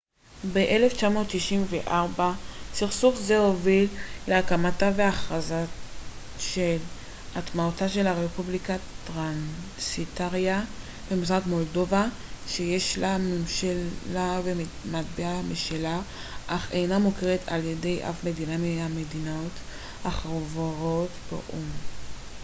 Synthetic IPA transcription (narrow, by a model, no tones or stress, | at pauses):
beʔeleft͡ʃamo̞ːtːiʃimveʔaʁbasiʁsufzehovilleakamataveaχaza | ʃel | atmaotaʃe̞laʁepublikatʁan | sitaʁja | b̥e̞misʁakmo̞ldo̞va | ʃejeʃlamimʃaabem | matbeamiʃalaʔaχejnamokeʁetʰa̰lje̞de̞jʔa̰fme̞dinamiamedinot | aχʁovoʁotbḛʔum